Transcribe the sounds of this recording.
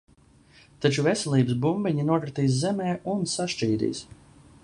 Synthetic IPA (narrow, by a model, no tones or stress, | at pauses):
t̪at͡ʃuvesɛlˠiːbɨs̬bumbiɲinuɔkɾat̪iːs̬zɛmɛːunsaʃt͡ʃiːd̪ḭːs